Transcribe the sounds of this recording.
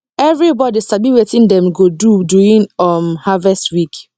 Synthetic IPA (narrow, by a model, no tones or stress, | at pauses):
ɛvɹibɔdistabiwetĩndɛ̃mɡoduduĩnɔmhavɛstwik